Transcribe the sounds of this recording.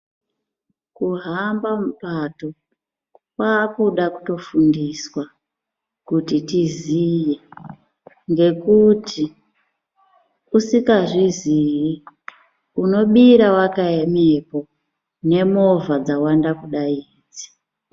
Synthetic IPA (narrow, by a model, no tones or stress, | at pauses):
kuɦambamupato̞ | kwaːkuɗaku̥to̞fundiswa | kutitizije | ŋɡe̞kutʰi | usikaʐiziri | uno̞ɓiɾawakaemepo̞ | ne̞mo̞vad͡zawandakuɗaiːd͡zi̥